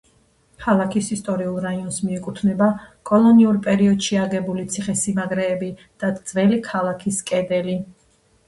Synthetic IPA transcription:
kʰalˠakʰisist̪ʼɔɾiulˠɾaiɔnsmiɛkʼut̪ʰnɛbakʼɔlˠɔniuɾpʼɛɾiɔd̪ʃiaɡɛbulit̪sʰiχɛsimaɡɾɛːbid̪̥ad̪z̥vɛlikʰalˠakʰiskʼɛd̪ɛli

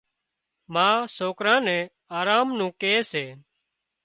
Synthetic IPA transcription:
mãːsoːkɾãːnɛ̃ː | aːɾaːmnũːkeːseː

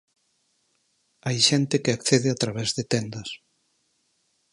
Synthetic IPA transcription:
ajʃɛnt̪ekɪakθeðɪat̪ɾaβɛzðet̪ɛnd̪ɐs

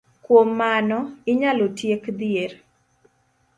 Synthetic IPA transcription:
kwomːanɔɪɲalotjekd̪ɪer

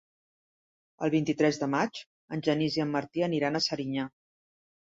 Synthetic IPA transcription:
ə̰lˠβ̞int̪it̪ɾɛzðəmat͡ʃ | ənʲʒəniziəmːəɾt̪iəniɾanəsəɾiɲa

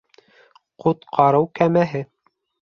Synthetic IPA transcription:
qʰut̪qʰɑɾɤwkæmæɦɘ

